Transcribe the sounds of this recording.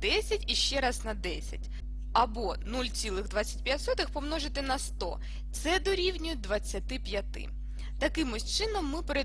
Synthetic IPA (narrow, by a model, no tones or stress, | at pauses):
d̪ɛsʲɐtʲiʃt͡ʃɛɾɑznɐd̪ɛsʲɐ̰tʲ | ɐbɔnulʲt͡sʲilˠɪɣd̪ʋat͡sʲːɐ̥tʲpʲjatʲsɔt̪ɪxpɔmnɔʒɪt̪ɪnɐst̪ɔ̰ | t̪sɛd̪ɔɾʲiwnʲʊj̚ʲd̪ʋɐt͡sʲːɐt̪ɪpʲjɐt̪ɪ̰ | t̪ɐkɪmʊsʲt͡ʃɪnɔmːɪpeɾe